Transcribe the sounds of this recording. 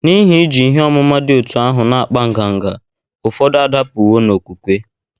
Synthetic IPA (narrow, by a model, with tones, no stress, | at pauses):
ni˦ɦi˦d͡ʒi˨i˦ɦe˦ɔ˦mʊ˦ma˦dɪ˦o˨tu˨a˦ɦʊ˨na˨a˨k͡pa˦ŋ̩˦˨ɡa˨ŋ̩˨ɡa̰˨ | ʊ˨fɔ˦da˨da˦pu˨wo˦no˨kʷu˨kʷe˦